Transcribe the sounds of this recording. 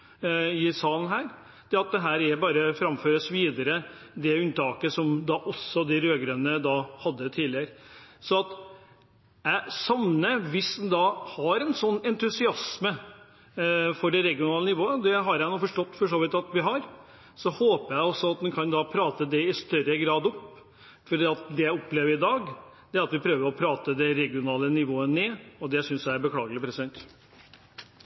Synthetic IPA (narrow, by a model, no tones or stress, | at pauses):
ɪsɑːln̩ɦæːɾ | d̪̥ɛɑt̪̚d̪ɛɦæːɾɛbɑːɾəfɾɑmføːɾəsʋiːd̪əɾə | d̪ɛʉnt̪ʰɑːkəsɔmd̪ɑʔɔsːɔd̪ɪɾøːɡɾønəd̪ɑːhɑd̪ːət̪ʰiːlɪəɾəsɔɑt̪ | æsɑmnəʋɪsd̪ɛnd̪ɑːhɑɾɛnsɔnːɛnt̪ʉsɪɑsmə | fɔɖɛɾɛɡɪʊnɑːlənɪʋoːəd̪ɛɦɑɾjæɪnuːfɔʂʈɔt̪ːfɔʂoːʋɪt̪ːɑt̪ʋɪɦɑɾ | sɔhoːpəjæɪɔsːɔɑt̪̚d̪ɛnkʰɑnd̪ɑpʰɾɑːt̪əd̪ɛɪst̪œɾəɡɾɑːd̪ɔpː | fɔɖiːɑt̪d̪ɛjæɪɔpːleːʋəɾɪd̪ɑːɡ | d̪̥ɛæɾɑt̪ʋɪpʰɾøːʋəɾɔpʰɾɑːt̪əd̪ɛɾɛɡɪʊnɑːlənɪʋoːəneːɔd̪ɛsʏnsjæɪæɾbəkʰlɑːɡəlɪpʰɾɛsɪd̪ɛnt̪